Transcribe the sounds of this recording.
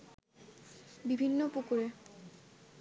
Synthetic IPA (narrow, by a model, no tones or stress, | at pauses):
bibʱinːopukuɾe